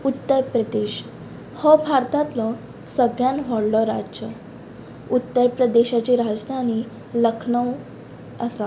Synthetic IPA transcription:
ut̪ːəɾpɾəd̪eɕ | hɔbʱaɾt̪at̪lɔ | səɡɭjanʋɔɽlɔɾa̰ə | ut̪ːəɾpɾəd̪eɕat͡ɕiɾad͡zd̪ʱaniː | ləkʰnəw | əsa

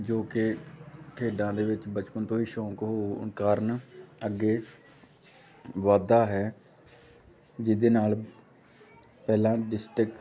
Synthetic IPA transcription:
d͡ʒoːkɪk̪ʰeːɖãːd̪eːʋɪt͡ʃbət͡ʃpənt̪õːiːʃɔ̃ːkɦoːkaːɾnəɡːeː | ʋaːd̪aːɦɛː | d͡ʒɪd̪eːnaːl | pɛːlãːɖɪsʈɾɪk

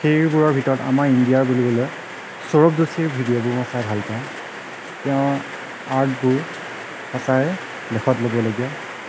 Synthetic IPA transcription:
xejɹbuɹɔɹbʱitɔɹɔta̰maɹindijaɹbolibɔlɔj | sɔɹop̚dosiɹbʱidijobʊɹmɔsajbʱalpã | tɛʊ̃ | aɹtbʊɹ | masaj | lɛkʰɔtlobɔloɡijɔ

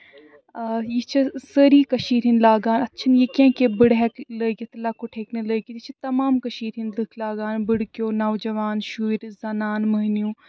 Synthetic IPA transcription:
jit͡ʃʰɐsəɾiːkɐʃiːɾɦinlaːɡaːnɐtːʃʰɐnjekẽːkebɨɽɦɛkləːɡʲiɐt̪laːkoʈʰeːkneləːɡʲit̪it͡ʃʰɐt̪ɐmaːmkɐʃiːɾɦinlɨkʰlaːɡaːnbɨɽkʲjoːnɐʋd͡ʒɐʋaːnʃuːiɾzɐnaːnmɐɦnijũː

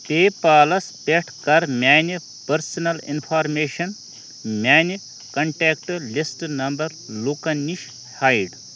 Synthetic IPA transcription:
t̪eːpaːlɐspeʈʰkɐɾmjaːni | pɐɾsɐnɐlḭnpʰaːɾmeːʃɐn | mʲjaːni | kɐɳʈeːkʈlisʈnɐmbɐɾlukɐnːiʃ | hajɖ

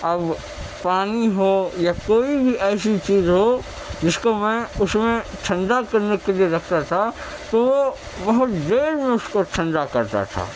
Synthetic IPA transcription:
ɐb | paːniɦojakoːibʱiʔɛːsit͡ʃiːzɦo | d͡ʒɪskomɛ̃ʊsmẽt͡ʃʰɐ̃nɖ̪akɐɾnekelieɾɐkʰt̪at̪ʰa | t̪oʋo | bɐɦʊt̪d̪eːɾmẽʊskot͡ʃʰɐ̃ɳɖ̪akɐɾt̪a̰t̪ʰa̰ː

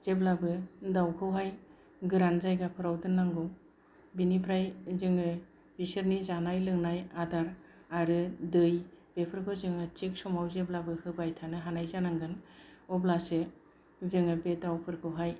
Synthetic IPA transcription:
z̥eblabɯdawkʰɯwɦaj | ɡɯɾanzajɡapʰɯɾawdɯnːaŋɡɔw | binipʰɾajzɯŋɯ | b̥isɯɾnizanajlɯŋnajadaɾ | aɾɯdɯjbepʰɯɾɡʰɔzɯŋɯt͡ʃek̚sɔmawzeblabɯhɯbajtʰanɯɦanajzanaŋɡɯnɔblasɯ | zɯŋɯbedawpʰɯɾkʰɯwɦaj

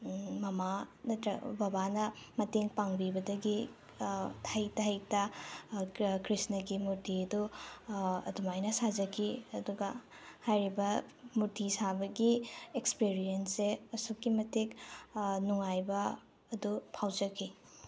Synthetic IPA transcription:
mɐmanɐtɐbɐbanɐmɐteŋpaŋbibɐdɐɡi | tʰajtajta | kɾisnɐɡimuɾtʰiɐdu | ɐ̰dumajnɐsad͡ʒɐkʰiɐduɡɐ | hajɾibɐmuɾtʰisabɐɡiekspiɾijenseɐsukːimɐteknuŋajbɐː | dupʰawd͡ʒɐkʰːi

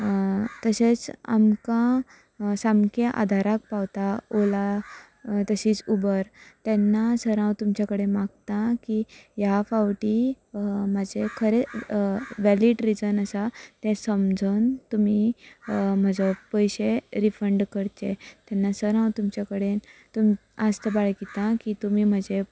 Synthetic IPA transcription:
t̪əɕet͡sa̰mkã | samkeʔa̰d̪ʱaɾak̚pawt̪aola | t̪əɕiːt͡subəɾt̪ɛnːasəɾãwt̪umt͡ɕakəɽemaɡ̚t̪ãkijafawʈi | mad͡ʑʱekʰəɾe | ʋæliɖɾid͡zənəsat̪ɛ̃səmd͡zʱənt̪umi | m̤əd͡zapəjɕeɾifəɳɖkəɾt͡ɕet̪ɛnːasəɾãwt̪umt͡ɕakəɽet̪umast̪əbaɭkit̪ãkit̪umiːm̤əd͡ʑe

